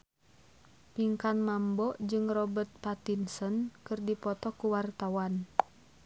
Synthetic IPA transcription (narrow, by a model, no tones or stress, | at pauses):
piŋkanmambɔʔd͡ʒɨŋrɔbərt̪̚pat̪insənkɨrdipɔt̪ɔkuwart̪awan